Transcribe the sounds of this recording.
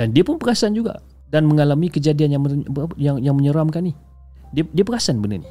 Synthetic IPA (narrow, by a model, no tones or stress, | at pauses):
dandiapʊnpəkasand͡ʒuɡa̰ | danməŋalamikəd͡ʒadianjaŋməjaŋjaŋməɲəɾamkani | diadiapəkasanbənə̰rni